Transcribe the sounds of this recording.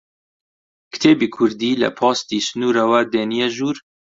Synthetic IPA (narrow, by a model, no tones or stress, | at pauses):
kʰɨ̥t̪ʰeːbiːkʰʊɾd̪iːlɛ̰pʰɑːst̪iːsɨnuːɾawɛd̪eːnijɛʒuːɾ